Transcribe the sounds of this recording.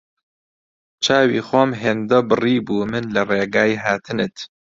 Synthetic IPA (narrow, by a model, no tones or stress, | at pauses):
t͡ʃʰaːwḭːxwɔmɦeːnd̪ɐbɨriːbuːmɨnlɐreːɡaːjiɦaːt̪ʰɨnɨt̪